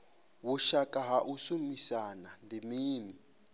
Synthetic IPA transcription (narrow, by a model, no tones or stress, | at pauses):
wʊʃakʼaɦaʔusumisanandimiːni